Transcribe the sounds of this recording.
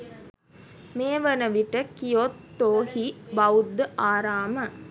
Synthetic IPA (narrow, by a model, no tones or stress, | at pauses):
meːʋənəʋiʈəkijot̪ːoːhibɐud̪ːəʔaːɾaːmə